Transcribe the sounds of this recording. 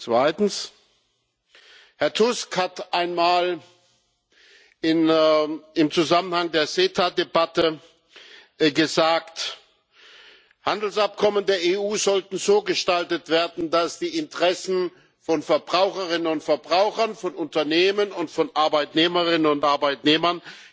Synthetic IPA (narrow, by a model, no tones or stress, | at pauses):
t͡sv̥aɪtn̩s | hɛɐtʰʊskhatʔaɪnmaːl | ɪn | ɪmt͡suzamənhaŋdeːɐzeːtʰadebatə | ɡəzaːkt | handl̩sʔap̚kʰɔməndeːɐeːuːzɔltn̩zoːɡəʃtaltətv̥eːɐdn̩dasd̥iːɪntəʁɛsn̩ | fɔnfɛɐbʁaʊxəʁɪnənʊntfɛɐbʁaʊxɐnfɔnʊntɐneːmənʊntfɔnʔaɐbaɪtneːməʁɪnənʊntʔaɐbaɪtneːmɐn